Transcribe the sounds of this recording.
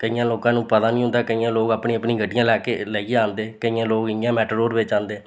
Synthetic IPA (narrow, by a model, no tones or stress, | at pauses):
kəijãːloːkãːnũːpət̪aːnĩːɦʊ̃nd̪aːkəiːãːloːkaːpɳĩːəpɳĩːɡəɖːɪjãːlɛːkeːləiːeãːnd̪eːkəiːãːloːkɪŋjãːmɛːʈəɾoːɾʋɪt͡ʃãːnd̪eː